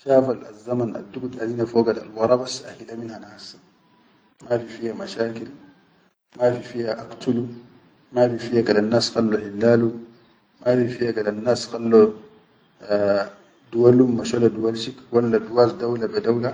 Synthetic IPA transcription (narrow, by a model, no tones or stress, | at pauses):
ʃaːfala̰zːamana̰dːuɡud̪ʔazinafoːɡada̰lwɑɾˤɑbasʔaħilaminhanaas | mafifihamaʃaːkil | mafifihaʔakt̪ulu | mafifijakalanːaːsxalːuħilːaːlu | mafifihakalanːaːsxalːu | d̪uwalumːaʃoladuwalʃikwalːaduwasd̪awlabadawla